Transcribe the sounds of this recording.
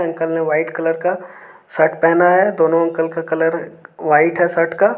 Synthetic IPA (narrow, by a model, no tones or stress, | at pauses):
ɐ̃ŋkəlnẽʋaːɪʈkɐləɾkasəʈpɛɦnaɦɛd̪oːnõɐ̃ŋkəlkakɐləɾʋaːɪʈɦɛsəʈka